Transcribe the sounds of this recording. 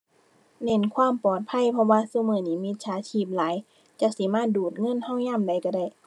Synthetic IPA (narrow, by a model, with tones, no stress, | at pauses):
ne˧˥˨nkʰwaː˧˥˨mpɔː˨˩t̪̚pʰa˧˥˨jpʰɔ˧waː˧˨su˧˦˨mɤː˧˩˨niː˧˩mi˧˥t̪̚sʰaː˨˦t̪ʰiː˧˩p̚laː˨˦j | t͡ɕa˧˦si˨˦maː˧˥˨duː˨˩t̪̚ŋɤ˧˥˨nha˧˥˨wɲaː˧˥˨mda˨˩jka˧˩da˧˩j